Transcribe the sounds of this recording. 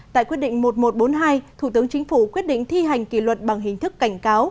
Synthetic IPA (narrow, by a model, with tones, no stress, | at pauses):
t̪a̰ː˧˨jkwi˦˥ət̚ɗḭ˧˨ŋ̟mo˨˩t̚mo˨˩t̚ɓo˨˦nɦaː˧jt̪ʰu˧˩t̪ɨ˨˦ŋt͡ɕï˨˦ŋ̟fu˧˩kwi˦˥ət̚ɗḭ˧˨ŋ̟t̪ʰi˧ɦa˨˩jŋ̟kḭ˧˨lwə˨˩t̚ɓa˨˩ŋɦï˨˩ŋ̟t̪ʰɨ˦˥kːa˧˩jŋ̟kaː˨˦w